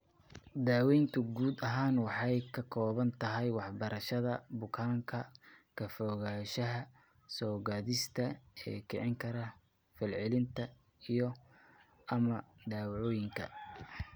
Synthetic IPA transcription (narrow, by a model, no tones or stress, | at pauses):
d̪aːwɛjnt̪ʰʊɡuːd̪ɐɦaːnwɑħɑjkʰɐkʰɔːβɐnt̪ʰɐɦɛjwɑħbɐɾɐʃɐðɐbʊkʰaːŋkʰɐkʰɐfɔːɣaːʃɐɦɐ | sɔːɣaːðɪst̪ʰɐɛ̰ːkʰɛʕɪŋkʰɐɾɐ | fɪlʕɪlɪnt̪ʰɐ | ijɔ | ʔɐmɐd̪aːwʕɔːjɪŋkʰɐ̰